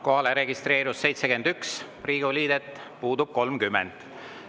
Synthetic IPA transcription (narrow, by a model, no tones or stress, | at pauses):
ko̞hɑleɾe̞ɡist̪ɾe̞ːɾusse̞jt̪sekend̪yks | riːɡuliːd̪̥et̪ːˑ | puːd̪ub̥̚ko̞lmkymːɛ̰nd̪̥